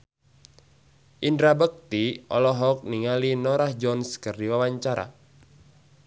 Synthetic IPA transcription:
ʔindɾabək̚t̪iɔ̰lɔɦɔk̚niŋalinɔɾahd͡ʒɔnskɨrdiwawaɲt͡ʃaɾa̰

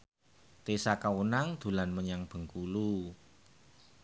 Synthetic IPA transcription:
t̪esakawunaŋd̪̥ṳlanməɲaŋb̥ə̤ŋkulu

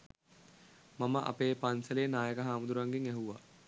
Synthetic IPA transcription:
maməʔa̰peːpansɐleːnaːjəkəɦaːmud̪uɾʋaŋɡiŋæɦuʋa̰

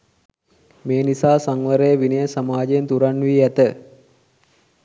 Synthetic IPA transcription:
meːnisaːsaŋʋəɾəjəʋinəjəsamaːd͡ʒejent̪uɾanʋiːæt̪ə

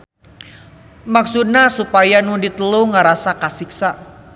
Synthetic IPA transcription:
maksud̪̚nahsupajanudit̪əluŋaɾasakasiksa

